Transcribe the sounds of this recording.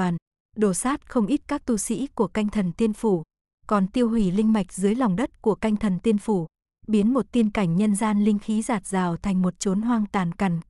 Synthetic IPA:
aː˨˩n | ɗo˨˩saː˦˥t̚xə˧wŋ͡mʔi˦˥t̚kaː˦˥k̚t̪u˧sḭ˧˥ku˧˩əka˧jŋ̟t̪ʰə˨˩nt̪i˧ənfu˧˩ | kɔ˨˩nt̪i˧əwɦwi˧˩lï˧ŋ̟ma˨˩jk̟̚zɨ˨˦əjla˨˩wŋ͡mɗə˦˥t̚ku˧˩əka˧jŋ̟t̪ʰə˨˩nt̪i˧ənfu˧˩ | ɓi˨˦ənmo˨˩t̚t̪i˧ənka˧˩jŋ̟ɲə˧nzaː˧nlï˧ŋ̟xi˨˦zaː˨˩t̚z̥aː˨˩wt̪ʰa˨˩jŋ̟mo˨˩t̚t͡ɕo˨˦nɦwaː˧ŋt̪aː˨˩nka˨˧˩ŋ̟

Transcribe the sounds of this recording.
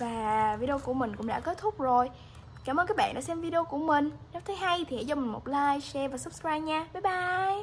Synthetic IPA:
vaː˨˩vi˧ɗo˧ku˧˩əmï˨˩ŋ̟kʊ̰˧˥ŋ͡mɗa̰˧˥ke˨˦˥t̚t̪ʰʊ˦˥k͡p̚zo˨˩j | kaː˧˩mʔəː˧nkaː˦˥ɓa̰ː˧˨nɗa̰ː˧˥sɛ˧mvi˧ɗe˧o˧ku˧˩əmï˨˩ŋ̟n̚˨˦˥t̪ʰə˨˦jɦa˧jt̪ʰi˨˩hɛ̰˧˥jt͡ɕɔ˧mï̟˨˩mo˨˩t̚laː˧jsɛ˧vaː˨˩sɨ˦˥p̚skwaː˧jɲaː˧ɓaː˨˦ɓaː˧˨j

